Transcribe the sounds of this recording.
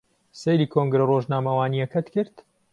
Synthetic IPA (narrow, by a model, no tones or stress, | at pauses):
sejliːkʰoŋɡɾɐroːʒnaːmɐwaːnijɐkɐt̪kɨɾt̪